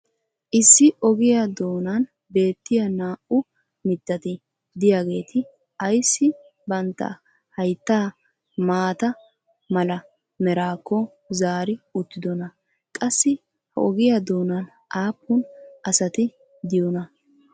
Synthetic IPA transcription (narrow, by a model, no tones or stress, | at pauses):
ʔɪsːɪʔɔɡɪjad̪o̞ːnɐn | be̞ːt̪ːɪjɐnaːʔʊ | mɪt̪ːɐt̪ɪ | d̪ɪjaɡe̞ːt̪ʰɪ | ɐjsːɪ | bɐnt̪ːɐ̰ | hɐjt̪ːaː | maːt̪ɐ | mɐlɐ | mɛɾaːkːɔ | zaːɾɪʊt̪ːɪd̪ɔnɐ | kʼɐsːɪ | hɐ̰ʔɔɡɪjad̪o̞ːnɐn | ʔaːpːʊnʔɐsɐt̪ɪ | d̪ɪjɔnɐ